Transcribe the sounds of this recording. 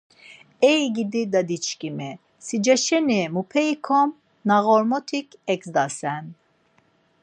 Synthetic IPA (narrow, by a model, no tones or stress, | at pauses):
ɛjɡid̪id̪ad̪it͡ʃkʼimɛ | sid͡ʒɛʃɛnimupʰɛikʰɔm | naɣɔɾmɔt̪ʰikʰɛksd̪asɛn